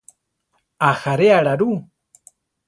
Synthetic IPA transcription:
axaɾeaɺaɾu

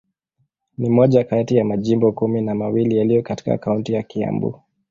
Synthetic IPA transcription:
nimɔʄakaatijamaʄimbɔkuminamawilijalijɔkati̥ka̰ːkauntijakia̰mbṵ

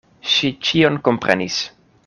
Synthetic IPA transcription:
ʃit͡ʃionkompɾḛnis

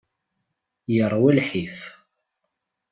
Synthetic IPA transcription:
jəɾˤwælħif

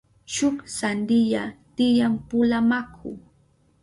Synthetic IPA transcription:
t͡ʃʊksand̪ɪʎat̪ɪjampʊlamakʰʊ̰

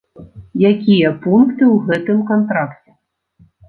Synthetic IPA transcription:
jakʲijɐpunkt̪ɨwɣɛt̪ɨmkant̪ɾakt͡sʲɛ

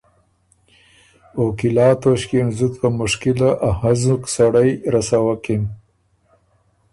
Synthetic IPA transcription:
okilɑːt̪oɕkenzut̪kamʊʂkɪlaʔahazuksaɽajɾasawakim

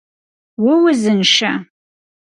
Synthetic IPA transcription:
wʊwʊzɨnʃɐ̰

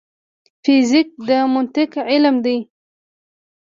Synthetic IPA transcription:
fɪzik̚d̪əmʊnt̪ɪkɪlmd̪aj

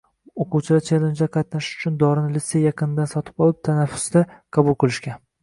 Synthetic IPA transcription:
oquwt͡ʃʰɪd̪at͡ʃʰelend͡ʒd̪aqʰɑt̪naʃɪ̥ʊ̥t͡ʃʰʊnd̪ɒɾɪnɪlɪt̪sejɑqʰɨnɪd̪ansɒt̪ʰɪ̥bɒlˠɪp̚t̪ʰanafːʊ̥sd̪aqʰɑbʊlˠqʰɨlˠɪʃkʲan

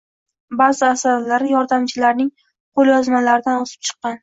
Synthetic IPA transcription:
bazɪasaɾlaɾɪjɒɾd̪amt͡ʃʰɪlaɾnɪŋ | qʰolˠjɒzmalaɾɪd̪anozɪ̥p̚t͡ʃʰɨ̥qːɑn

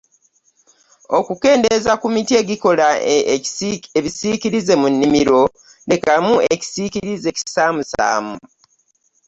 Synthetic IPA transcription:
o̞kuke̞ːndezakumitie̞ɡiko̞la | eβisikiɾize̞munːimiɾo̞ | ne̞kamue̞ci̥sikiɾize̞ci̥saːmusa̰ːmu

